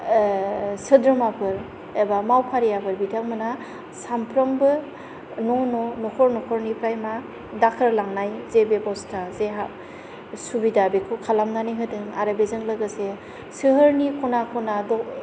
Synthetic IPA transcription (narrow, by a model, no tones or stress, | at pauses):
sɯdɾɯmapʰɯɾ | ebamawpʰaɾijabɯɾbitʰaŋmɯna | sampʰɾɔmbɯ | nɔnɔnɔkʰɔɾnɔkʰɔɾnipʰɾajma | dakʰɯɾlaŋnajzebebɔstʰazeɦa | subidabekʰukʰalamnaniɦɯdɯŋa̰ɾɯbezɯŋlɯɡɯse | sɯɦɯɾnikʰɔnakʰɔnadɔ